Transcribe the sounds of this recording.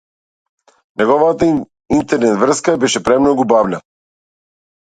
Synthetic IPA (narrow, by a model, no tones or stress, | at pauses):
nɛɡɔvat̪a | int̪ɛɾnɛt̪vr̩skabɛʃɛpɾɛmnɔɡubavlʲa